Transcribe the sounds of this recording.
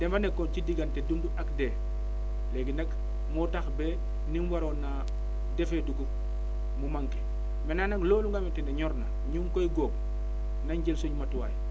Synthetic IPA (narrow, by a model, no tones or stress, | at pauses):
d̥ɛmfanekːɔnt͡ʃidiɡantedumduʔakde | leɡinak | mɔtaxbe | ninwaɾona | defeduɡu | mumaŋke | menanaŋloːluŋɡametindeɲɔɾna | ɲuŋkojɡob̚ | naɲɟelsoɲmatuwaj